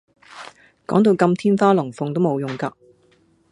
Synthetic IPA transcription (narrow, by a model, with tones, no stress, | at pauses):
kɔː˨˥ŋt̪̬o˧wkɐ˧mt̪ʰiː˥nfaː˥lʊ˨˩ŋfʊ˨ŋt̪o˥wmo˨˧wjʊ˨˩ŋkaː˧